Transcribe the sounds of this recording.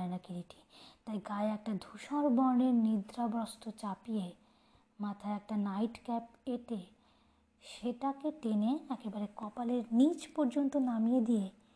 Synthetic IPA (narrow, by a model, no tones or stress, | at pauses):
enakiliʈʰi̥t̪ajɡaeɛk̚ʈad̪ʱuʃaɾbɔɾneɾnid̪ɾabɾɔst̪ot͡ɕapije | mat̪ʰaeɛk̚ʈanajʈkɛpeʈe | ʃeʈakeʈeneɛkebaɾekɔpaleɾnit͡ɕpɔɾd͡ʑont̪onamijed̪ije